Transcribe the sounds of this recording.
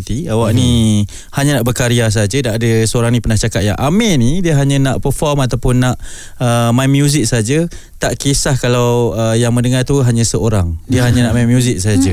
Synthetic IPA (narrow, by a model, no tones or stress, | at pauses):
t̪iawaʔni | haɲanaʔbəkaɾias̬aɦad͡ʒədaʔːdəsəoɾaŋnĩpənaht͡ʃakat̪ja̰ŋʔamənidiəɦaɲãnaʔpəfɔrmat̪awpʊnːaʔ | əmajmjuzɪk̚saɦad͡ʒət̪aʔkisahkalawəjaŋmə̃ndəŋart̪uɦaɲãsəoɾaŋdiəɦaɲãnaʔmamjuzɪk̚saɦad͡ʒa